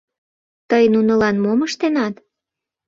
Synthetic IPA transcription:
t̪əjnunəlɑnmoməʃt̪enɑt̪

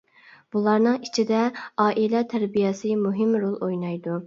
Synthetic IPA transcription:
b̥ulˠɑɾnɨŋit͡ʃʰid̪ɛɑːʔilɛt̪ʰæɾbijɛsɨmuɦɪmɾolˠojnɑjd̪u

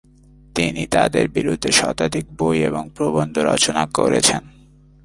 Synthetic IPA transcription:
t̪init̪ad̪eɾbiɾud̪ʱːeʃɔt̪ad̪ik̚bojeboŋpɾobond̪ʱoɾɔ̰t͡ɕonakoɾet͡ɕʰen

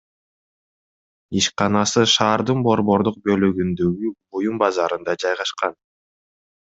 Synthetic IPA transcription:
iʃqɑnɑsɯʃɑːɾd̪ɯnbo̞ɾbo̞ɾd̪uq̚bø̞lyɡynd̪øɡyujumbɑzɑɾɯnd̪ɑd͡ʒɑjʁɑʃqɑn

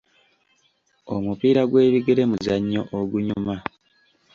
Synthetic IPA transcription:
omupiːɾaɡwe̞ːβiɡe̞ɾe̞muzaɲːo̞ʔoɡuɲuma

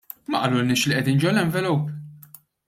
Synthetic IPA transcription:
mɐʔɐlulnɪːʃliʔɛd̪iːnd͡ʒɔwlɛɱvɛluːp

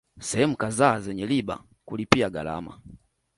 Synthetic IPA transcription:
sɛhɛmukazazɛɲɛliba̰ | kulipiaɡa̰la̰ma̰

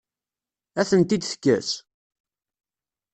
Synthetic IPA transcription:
æθənt̪id̪θə̥kːæ̰s

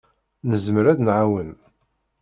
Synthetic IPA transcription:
nəzməɾæðnʕawən

